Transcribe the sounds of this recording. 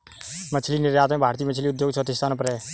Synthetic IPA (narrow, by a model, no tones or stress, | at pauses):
mət͡ʃʰlinɪɾjaːt̪mẽbʱaːɾt̪iːmət͡ʃʰliːʊd̪joːɡt͡ʃʰot̪ɪst̪aːnpɾe